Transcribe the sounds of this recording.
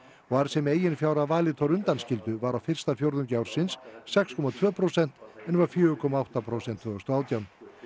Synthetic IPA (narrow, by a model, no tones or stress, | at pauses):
ɔaɾsɛmeːjɪnfjaːwɾavaːlɪt̪ʰɔɾʏnt̪anscɪlt̪ʏvaɾawfɪr̥st̪afjowɾðʏmcawɾ̥sɪnsːɛkskʰɔmat̪ʰv̥œːpʰɾowsɛn̥t̪ɛnvaɾ̥fjʏːʏkʰɔmaawht̪apʰɾowsɛnt̪ʰːvʏʏst̪ɔaːwt̪jawn